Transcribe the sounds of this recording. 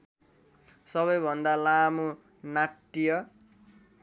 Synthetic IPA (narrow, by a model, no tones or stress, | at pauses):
sʌβʌjbʱʌnd̪alamo | naʈːijʌ